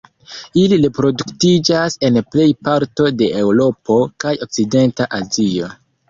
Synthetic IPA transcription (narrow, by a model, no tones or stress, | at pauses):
iliɾe̞pɾo̞duktid͡ʒase̞nple̞jpaɾto̞de̞ewɾo̞po̞kajo̞k̚t͡side̞ntaʔazio̞